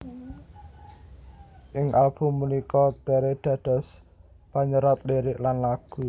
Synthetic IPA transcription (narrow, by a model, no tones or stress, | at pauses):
ʔɪŋʔalb̥ṳmːunikɔt̪eɾed̪̥ä̤ɖ̪̥ɔ̤s | paɲəɾat̪̚deɾɪʔlanlaɡ̥ṳ